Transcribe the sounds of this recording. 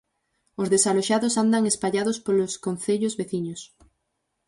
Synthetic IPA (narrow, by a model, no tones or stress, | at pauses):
ozðesaloʃaðosand̪aŋespaʎaðospoloskon̟θeʎozβeθiɲos